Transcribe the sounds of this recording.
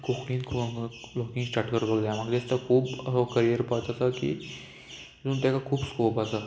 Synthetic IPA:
kokʰɽĩnkʰlɔkĩŋɡsʈaːɾʈkəɾbəɡd̪ajmaɡd̪est̪akʰuːbkəɾijəɾpat͡ʃat̪akḭ | zuːnt̪jakakʰuːbskoːpat̪a

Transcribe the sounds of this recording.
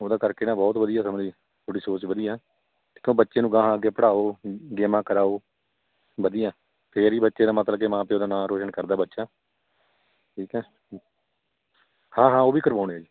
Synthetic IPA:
oːd̪aːkəɾkeːnaːbɔːt̪ʋəd̪ijaːsəməd͡ʒiː | t̪ʰoːɽiːsoːt͡ʃʋəd̪iːɛː | ekjõːbətːʃeːnũːɡãːɦãːəɡeːpəɽaːoːɡeːmãːkəɾaːoː | ʋəd̪ɪjãː | pʰeɾiːbətːʃeːd̪aːmət̪ləbkeːmãːpeːoːd̪aːnaːɾoːʃənkəɾd̪aːbətːʃaː | ʈʰiːkɛː | hãːɦãːoːʋiːkəɾʋaːɽeːaːd͡ʒiː

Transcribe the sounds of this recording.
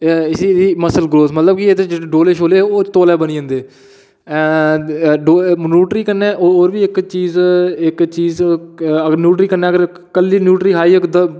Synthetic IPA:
ɪsiːd̪iːməsəlɡɾoːsmət̪ləbkɪet̪ed͡ʒeːɖoːleːʃʰoːleːoːt̪oːlɛːbəniːə̃nd̪eː | ɖoːnuːʈɾiːkənɛːʔooːɾʋiːɪkt͡ʃiːzɪkt͡ʃiːzəɡənjuːʈɾiːkəɾnɛːəɡəɾ | kəliːnjuːʈɾiːkʰaːiːkd̪

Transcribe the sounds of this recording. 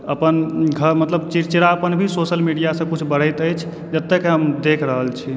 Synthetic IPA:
əpənɡʱəɾmət̪ləbt͡ʃiɾt͡ʃɾaəpənbʱisosəlmiɖijasə̃kut͡ʃʰbəɽ̤əjt̪əjt͡ʃʰ | d͡ʒət̪ːekɦəmd̪ekʰɾəɦəlt͡ʃʰi

